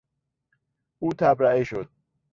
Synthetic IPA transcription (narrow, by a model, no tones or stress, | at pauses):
uːt̪ʰabɾaʔiʃod̪̥̚